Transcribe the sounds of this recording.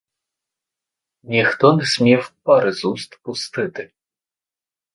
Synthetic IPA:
nʲixt̪ɔnɛsʲmʲɛwpaɾɨzust̪pust̪ɨt̪ɨ

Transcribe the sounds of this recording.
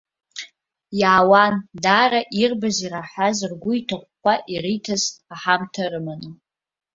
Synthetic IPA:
jaːwandaraʔirbaziraħazrɡʷʊitʰaχʷkʷaʔirijtʰazaħamtʰarɨmanɨ

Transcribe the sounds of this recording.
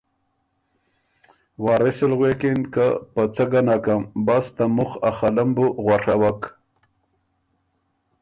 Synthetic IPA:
wɑːɾesɪlɣwekenkapət͡səɡanakambast̪amuxaxalambuɣwaʂawak

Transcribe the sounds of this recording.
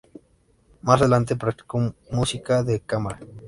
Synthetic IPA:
masðelant̪̬epɾakt̪i̥komusikaðekamaɾe

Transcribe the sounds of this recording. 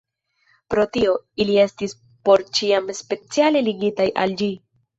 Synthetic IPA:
pɾo̞tio̞ilie̞stis | po̞ɾt͡ʃiamspe̞t͡siale̞liɡitajʔa̰ld͡ʒi

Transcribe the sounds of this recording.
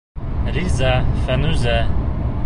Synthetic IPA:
ɾizafænuzɛ

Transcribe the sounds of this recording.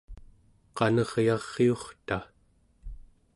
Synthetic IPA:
qɑnʌʁjɑʁːioχt̪a

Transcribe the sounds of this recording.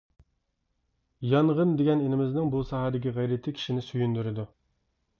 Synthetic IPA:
jɑŋʁənd̪eɡʲɛnenɪmɪznɪŋbusɑɦæd̪ɪkʲiʁɛjɾɪt̪ʰɪkʲʰi̥ʃinɪsyjynd̪yɾɪd̪u

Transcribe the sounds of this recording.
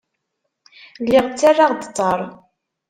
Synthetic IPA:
lɪʁt͡sːarˤːaʁd̪t̪ˤːəɾˤ

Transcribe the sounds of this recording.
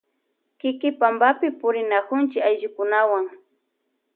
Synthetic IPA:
kɪkɪpambapɪpʊɾɪnakʊnt͡ʃɪkajʎʊkʊnawaŋ

